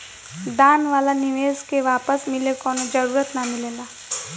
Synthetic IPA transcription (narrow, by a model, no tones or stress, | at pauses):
d̪aːnʋaːlanɪʋeːzkeʋaːpəsmɪlekɔːnod͡ʒɐɾuːɾət̪nɐmɪlẽːlɡaː